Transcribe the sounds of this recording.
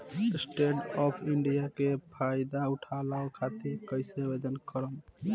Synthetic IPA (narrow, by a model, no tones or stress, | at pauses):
sʈeɖɔpʰiɳɖijakepʰajd̪auʈʰalaokʰat̪iɾkəjsebed̪ənkəɾəm